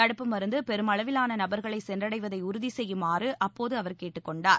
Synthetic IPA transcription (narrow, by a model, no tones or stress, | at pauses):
ɐɽɯpːɯmɐɾɯnd̪ɯpɛɾɯmɐɭɐʋɪlaːnɐnɐbɐɾɣɐɭɐɪsɛndrɐɽɐɪʋɐðɐɪʊɾʊðisɛjːɯmaːrɯʔɐpːoːðɯɐʋɐɾkeːʈːɯkːɔɳɖaːɾ